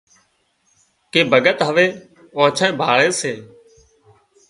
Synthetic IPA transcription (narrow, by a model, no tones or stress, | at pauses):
keːbʱəɠət̪ɦəʋeː | ãːt͡ʃʰãẽːbʱaːɭeːseː